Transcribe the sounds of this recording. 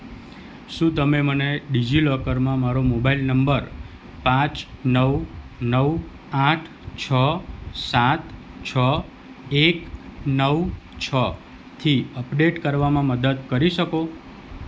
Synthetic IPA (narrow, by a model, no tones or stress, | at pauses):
ʃũt̪əmeməneɖid͡ʒilɔkəɾmãmaɾomobailnəmbəɾ | pãt͡ʃnəwnəw | ãʈʰ | t͡ʃʰəsat̪t͡ʃʰə | eknəwt͡ʃʰə | t̪ʰiəpɖeʈkəɾʋamãməd̪əd̪kəɾiʃəko